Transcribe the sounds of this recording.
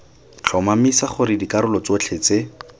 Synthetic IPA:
t͡ɬʰɔmamisaχʊɾɪdikaɾʊlɔt͡sot͡ɬʰet͡se

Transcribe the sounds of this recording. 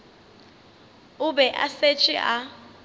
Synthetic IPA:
ʊbɛʔa̰set͡ʃʼiʔa

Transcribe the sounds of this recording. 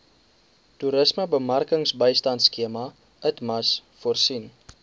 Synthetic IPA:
tuɾəsməbəmɐrkəŋsbəjstɐntskiəmɐ | ətmɐsfuərsin

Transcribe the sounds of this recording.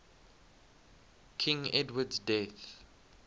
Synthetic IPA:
kʰĩŋɛdwədsdɛθ

